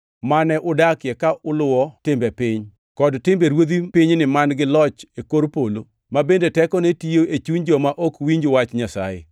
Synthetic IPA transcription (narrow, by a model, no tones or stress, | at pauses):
manɛʔʊdakjɛkaʔʊlʊwɔtɪmbɛpɪɲ | kɔdtɪmbeɾwod̪ipɪɲnɪmanɡɪlɔt͡ʃekoɾpolo | mabendetɛkɔnetijoet͡ʃuɲd͡ʒɔmaʔɔkwiɲd͡ʒowat͡ʃɲasa̰jɪ̰